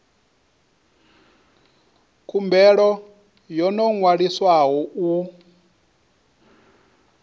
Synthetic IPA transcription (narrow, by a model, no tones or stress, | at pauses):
kʰumbɛɺɔ | jɔnɔŋwaɺiswaɦɔu